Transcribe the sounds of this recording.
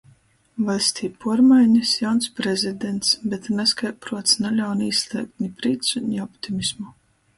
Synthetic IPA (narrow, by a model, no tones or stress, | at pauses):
valʲsʲt̪ʲiːpuɔɾmajɲʲɨsjawnspɾezʲid̪ent̪sbʲet̪nɛskajpɾuɔt̪snalʲawniːslʲˠiɛk̚t̪ʲnʲipɾiːt̪sunʲiɔpt̪ʲimʲismu